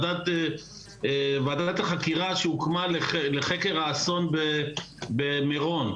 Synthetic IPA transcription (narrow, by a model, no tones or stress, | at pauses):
dat̪ | vad̪at̪aχakiʁaʃeukmaleχleχekeʁaːso̞nbe | bemeʁo̞n